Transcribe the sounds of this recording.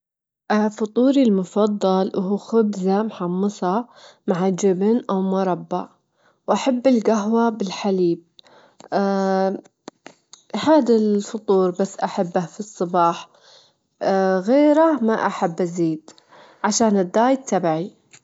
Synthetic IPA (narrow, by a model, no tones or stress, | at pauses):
ʔafʊt̪ˤuːɾilmʊfɑd̪ˤːɑlwʔɦuːxʊbzamħɑmːɨsˤɑmaʕad͡ʒɪbnʔawmʊɾˤɑbːa | wʔaħabːɪlɡaɦwabɪlħaliːb̚ | haːd̪alfʊt̪ˤuːɾbasːʔaħabːafisˤːɨbɑːħ | ɣeːɾamaʔaħabːʔaziːd̪ | ʕaʃaːnɪd̪ːaːjd̪̚t̪ːabʕi